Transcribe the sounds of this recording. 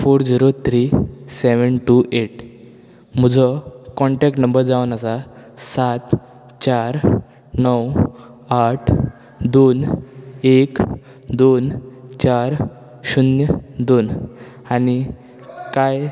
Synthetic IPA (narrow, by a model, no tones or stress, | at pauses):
foɾd͡ziɾot̪ʰɾiseʋənʈuʔeʈ | m̤ud͡zɔkɔɳʈɛk̚ʈnəmbəɾd͡zaʋənasasat̪ | t͡ɕaɾ | nəw | aʈʰ | d̪on | ek | d̪ont͡ɕaɾ | ɕunjəd̪on | ani | kaj